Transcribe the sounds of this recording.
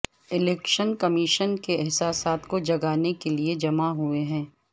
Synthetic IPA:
ɪlɛːkʃənkɐmiʃənkeɛɦsaːsaːt̪kod͡ʒɐɡaːnekelied͡ʒɐmaɦueɦɛ̃ː

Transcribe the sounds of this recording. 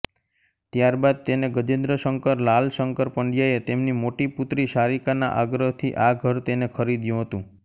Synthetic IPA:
t̪jaɾbad̪̚t̪eneɡəd͡ʒend̪ɾəʃəŋkəɾlalʃəŋkəɾpəɳɖjaet̪emnimoʈiput̪ɾiʃaɾikana̰ʔaɡɾəɦt̪ʰiʔaɡʱəɾt̪enekʰəɾid̪jũɦət̪ũ

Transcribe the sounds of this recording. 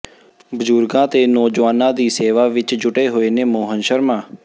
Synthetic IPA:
bəd͡ʒʊɾɡãːt̪eːnoːd͡ʒʋaːnãːd̪iːseːʋaːʋɪt͡ʃd͡ʒʊʈeːɦoːeːneːmoːɦənʃəɾmãː

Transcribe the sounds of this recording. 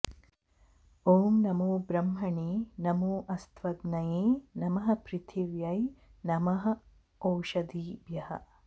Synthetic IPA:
oːmnɐmuːbɾɐmɦɐɳiːnɐmuːʔɐst̪ʰʋɐd̪nɐjeːnɐmɐɦɐ̆pɾɪt̪ʰiʋjɐjnɐmɐɦɐ̆ | owʃɐd̪iːbjɐhɐ̰̆

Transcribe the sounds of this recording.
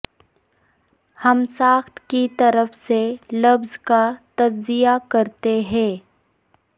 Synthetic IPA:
hɐmsaːxt̪kit̪ɐɾəfselɐbzkat̪ɐzːijakɐɾt̪eɦɛ̃ː

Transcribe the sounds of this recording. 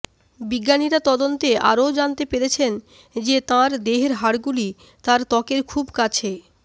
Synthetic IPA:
biɡːaniɾat̪ɔd̪ont̪eʔa̰ɾod͡ʑant̪epeɾet͡ɕʰen | d͡ʑet̪ãɾd̪eɦeɾɦaɽɡuli | t̪ãɾt̪ɔkeɾkʰubkat͡ɕʰe

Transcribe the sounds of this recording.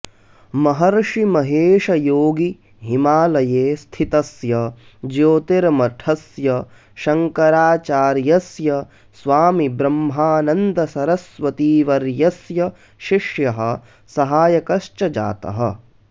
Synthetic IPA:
mɐɦɐɾʂimɐɦeːʃɐjoːɡi | ɦimaːlɐjeːst̪ʰit̪ɐsjɐ | d͡ʒoːt̪eɾmɐʈʰɐsjɐ | ʃɐŋkɐɾaːt͡ʃaːɾjɐsjɐ | sʋaːmibɾɐmɦaːnɐnd̪ɐsɐɾɐsʋɐt̪iːʋɐɾjɐsjɐ | ʃiʂjɐɦɐ̆ | sɐɦaːjɐkɐʃt͡ʃɐd͡ʒa̰ːt̪ɐ̰ɦɐ̰̆

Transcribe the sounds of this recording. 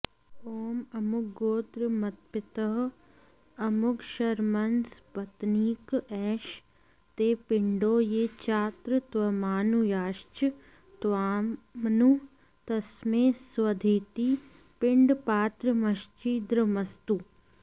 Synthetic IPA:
oːmɐmʊkɡoːt̪ɾəmɐt̪̚pɪt̪əɦ | ɐmʊkʃɐɾmɐnspɐt̪niːkɛːʃ | t̪eːpɪɳɖoːjeːt͡ʃaːt̪ɾət̪ʋɐmaːnujaːʃt͡ʃ | t̪ʋaːmnu | t̪ɐsmẽːsʋɐd̪ʱeːt̪i | pɪɳɖpaːt̪ɾəmɐʃt͡ʃiːd̪ɾəmɐst̪u

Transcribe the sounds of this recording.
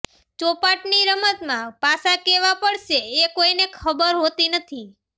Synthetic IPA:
t͡ʃopaʈniɾəmət̪mãpasakeʋapəɭʃeːkoinekʰəbəɾɦot̪inət̪ʰi

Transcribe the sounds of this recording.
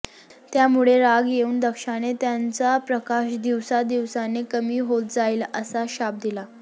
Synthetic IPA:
t̪jamuɭeɾaɡjeuːnd̪əkʂanet̪jant͡sapɾəkaɕd̪iʋsad̪iʋsanekəmiːɦot̪̚d͡zaiːləsaɕap̚d̪ila

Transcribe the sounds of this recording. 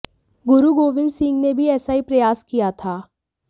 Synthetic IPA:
ɡʊɾuɡoːʋɪ̃nd̪sɪ̃ŋɡnebʱiɛːsaɦipɾɐjaːskijat̪ʰaː

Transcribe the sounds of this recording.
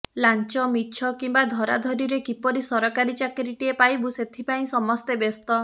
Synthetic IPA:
lant͡ʃɔmitːt͡ʃʰɔkimbad̪ʱɔɾa̰d̪ʱɔɾiɾekipɔɾisɔɾɔkaɾit͡ʃakɾiʈiepajbuset̪ʰipaĩsɔmɔst̪ebest̪ɔ

